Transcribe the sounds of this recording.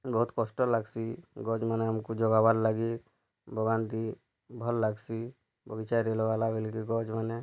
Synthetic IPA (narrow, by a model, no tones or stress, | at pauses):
bɔɦut̪kɔsʈɔlaɡsiɡɔd͡ʒmaneamkud͡ʒɔɡabaɾlaɡi | bʱɔɡant̪i | bʱɔlːaɡsi | bɔɡit͡ʃajɾelɔbalabelkiɡɔd͡ʒmane